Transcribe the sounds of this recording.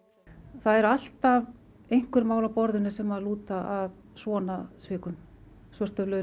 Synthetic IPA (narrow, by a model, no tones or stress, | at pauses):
θaðɛɾal̥t̪av | ejŋ̥kʏɾmaːwlapɔɾðʏnɪsɛmaðluːt̪aʔav | svɔːnasvɪːkʏn | svœr̥t̪œvlœ